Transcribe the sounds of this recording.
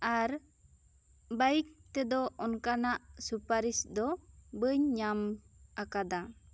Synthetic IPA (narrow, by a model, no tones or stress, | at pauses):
aɾ | bajik̚t̪ɛd̪ɔɔnkanaʔsupaɾisd̪ɔbəɲːamakad̪a